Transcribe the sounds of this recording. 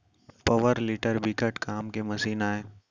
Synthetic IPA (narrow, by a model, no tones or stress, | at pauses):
pɐʋəɾliʈəɾbʱikəʈkʰaːmkemɐsiːnaːeː